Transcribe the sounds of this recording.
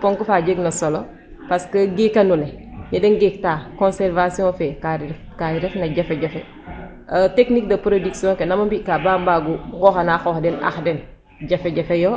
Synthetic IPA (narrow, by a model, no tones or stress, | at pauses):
poŋkufaːɟeɡnɐsolo | paskəɡikɐnulemidɛnɡek̚taːkõnsɛɾvasiɔ̃fɛka | kaɾɛfnɐɟɐfɛɟɐfɛ | əteknikdɐpɾodiksijɔ̃ŋkenɐmɐmbikabaːmbaɡuɡɔxanaxoxdɛna̰xdɛn | ɟɐfɛɟɐfejo